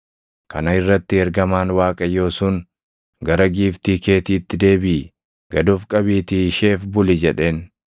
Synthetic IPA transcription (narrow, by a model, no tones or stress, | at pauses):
kʰɐnɐɪrːɐt̪ːɪɛɾɡɐmaːnwaːkʼɐjo̞ːsuːn | ɡɐɾɐɡiːft̪iːke̞ːt̪iːt̪ːɪd̪e̞ːbiː | ɡ̥ɐd̪ʊfkʼɐbiːt̪ɪʃe̞ːfbʊlɪd͡ʒɛᶑe̞ːn